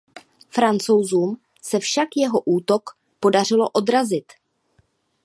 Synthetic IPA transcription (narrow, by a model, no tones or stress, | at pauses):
fɾant͡so̞wzuːm | sɛfʃakjɛɦo̞ʔuːt̪o̞k | po̞dar̝ɪlo̞̰ʔo̞d̪ɾazɪt̪